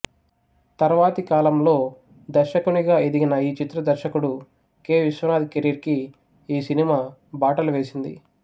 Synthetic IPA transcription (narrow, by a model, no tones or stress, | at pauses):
t̪ɐɾʋaːt̪ikaːlɐmlo̞ː | d̪ɐɾʃɐkuniɡaːed̪iɡinɐiːt͡ʃit̪ɾɐd̪ɐɾʃɐkuɽu | ke̞ːʋiʃʋɐnaːd̪ikeɾiɾkiː | sinimaːbaːʈɐluʋe̞ːsind̪ḭ